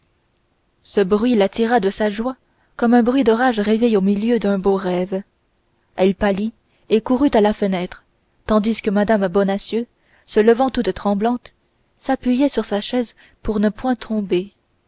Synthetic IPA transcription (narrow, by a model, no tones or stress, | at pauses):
səbʁɥilat̪iʁad̪əsaʒwa | kɔmɛ̃bʁɥid̪ɔʁaʒʁevɛjomiljød̪ɛ̃boʁɛːv | ɛlpali | ekuʁyt̪alafənɛt̪χ | t̪ɑ̃d̪iskəmad̪ambɔnasjø | sələvɑ̃t̪ut̪ːχɑ̃blɑ̃t̪ | sapɥijɛsyʁsaʃɛz | puʁnəpwɛ̃t̪χɔ̃be